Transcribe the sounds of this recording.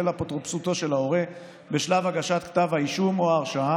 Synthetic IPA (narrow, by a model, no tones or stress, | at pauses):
elapot̪ʁopsut̪o̞ʃe̞lao̞ʁe | be̞ʃlavaɡaʃat̪kt̪avhaiʃumoaːʁʃaa